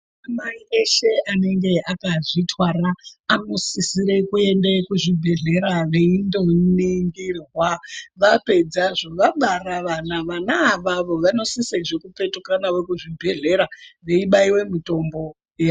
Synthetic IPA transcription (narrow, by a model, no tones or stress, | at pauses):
amaiʔeʃe̞ʔane̞ŋɡe̞ʔakaʐitwaɾaːno̞sisiɾe̞kue̞ndekuʐibʱe̞ɮe̞ɾaʋe̞indo̞niŋɡirwaʋape̞d͡zaʐoʋaɓaraʋanaʋanaːʋaʋo̞ʋano̞siseʐekupe̞tukanawe̞kuʐibʱe̞ɮe̞ɾaʋe̞iɓaiwe̞mito̞mbo̞ | ja